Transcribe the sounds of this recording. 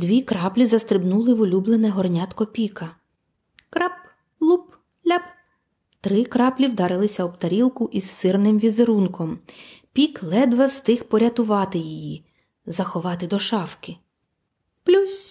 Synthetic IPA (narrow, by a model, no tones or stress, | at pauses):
d̪ʋʲikɾɑplʲizɐst̪ɾɪbnulˠɪʋʊlʲublˠenɛɦɔrnʲɑt̪kɔpʲikɐ | kɾɑp | lˠup | lʲap | t̪ɾɪkɾɑplʲiwd̪ɑɾɪlˠɪsʲɐɔpt̪ɐɾʲilˠkʊʔissɪrnɪmʋʲizeɾunkɔmpʲiklˠɛd̪ʋɛwst̪ɪxpɔɾʲɐt̪ʊʋɑt̪ɪjiji | zɐxɔʋɑt̪ɪd̪ɔʃɑwkɪ | plʲusʲ